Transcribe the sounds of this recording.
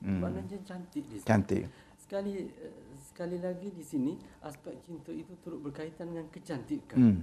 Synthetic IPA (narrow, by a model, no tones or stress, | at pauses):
baʔnaɲd͡ʒant͡ʃant̪ɪʔdiant̪ɪ̰ʔ | sə̥kalisə̥kalilaɡidisiniʔaspɛk̚t͡ʃint̪oit̪ut̪uɾʊt̪̚bərkait̪andəŋankət͡ʃant̪iʔkan